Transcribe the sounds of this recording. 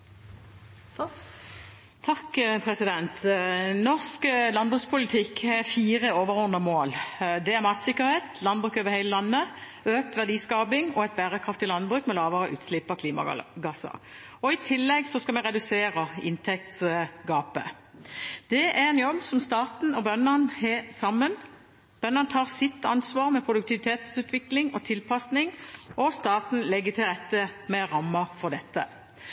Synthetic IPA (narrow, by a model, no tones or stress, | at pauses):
t̪ʰɑkːpʰʁɛsɪd̪ɛnt̪nɔʁsklɑnbʁʉːkspʰʊlɪt̪ʰɪkːɛʁfiːʁəoːʋəʁɔʁnəmoːld̪ɛæʁmɑt̪sɪkːəʁɾheːt̪ʰlɑnbʁʉːkøːʋəʁhæɪləlɑnːə | øːk̚t̪ʋæʁd̪iːskɑːbɪŋɔɛt̪̚bæːʁəkʰʁɑft̪ɪlɑnbʁʉːkmɛlɑːʋəʁəʔʉ̰ːt̪slɪpɑkʰliːmɑ̰ɡɑsɑ̰ʁ | ɔɪt̪ʰɪlːɛɡsɔskɑmɛʁɛd̪ʉseːʁəɪ̰nt̪ʰɛk̚t̪sɡɑːpə | d̪̥ɛʔæʁɛnjɔbːsɔmst̪ɑːt̪n̩ɔbœnənhesɑmːən | b̥œnːənət̪ʰɑːʁsɪt̪ːɑnsʋɑːʁmɛpʰʁʊd̪ʉk̚t̪ʰɪʋɪt̪ʰeːt̪sʉːt̪ʋɪklɪŋɔt̪ʰɪlpʰɑsnɪŋɔst̪ɑːt̪n̩lɛɡːət̪ʰɪlʁɛt̪ːəmɛɾɑmːəʁfɔʁd̪ɛt̪ːə